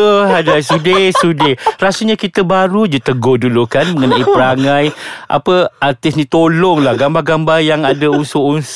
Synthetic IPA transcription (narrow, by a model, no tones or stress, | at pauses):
əɦadajsudesuderasuɲãkit̪əbaɾud͡ʒut̪əɡodulukanmə̃ŋənãipəɾaŋãjʔa̰pəart̪ɪsnĩt̪olɔŋlahɡambaɡambajaŋadaunsouns